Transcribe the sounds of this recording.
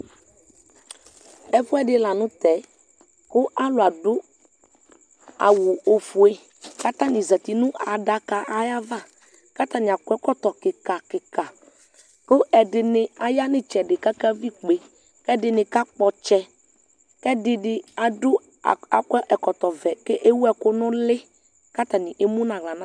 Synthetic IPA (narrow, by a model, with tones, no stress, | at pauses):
ɛ˦ɸʊ˦ɛ˦ɖɪ˦la˨nʊ̃˦t̪ɛ˨˦ | kʊ˦ʔa˦lʊ˨a˨dʊ˦ | a̰˨wu˨o˨fu˨e˦ | ka˦t̪ã˦nɪ̃˨zɛ˨t̪i˨nʊ̃˦ʔa˨da˦ka˨ʔa˦ja˦va˦ | ka˦t̪ã˦ɲ˨a˨kʊ˦ɛ˦kɔ˦t̪ɔ˨kɪ˨ka˨kɪ˨ka˨ | kʊ˦ɛ˨dɪ˨nɪ˨a˨ja˦nɪ̃˦t͡ʃɛ˨dɪ˨ka˦ka˦vi˦k͡pe˨ | kɛ˦dɪ˨nɪ˨ka˦k͡pɔ˨t͡ʃɛ˦ | kɛ˦dɪ˨dɪ˨a˨dʊ˦˨ | a˨kɛ˦ʔɛ˨kɔ˨t̪ɔ˨vɛ˨ke˦ʔe˦wu˦ɛ˦kʊ˦nʊ̃˦lɪ˦ | ka˦t̪a˨nɪ̃˨ʔe˦mũ˦nã˨ɣla˨nã˦